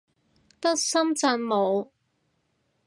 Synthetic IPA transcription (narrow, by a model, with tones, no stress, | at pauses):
t̪ɐ˥k̚sɐ˥mt͡sɐ˧nmo˨˧w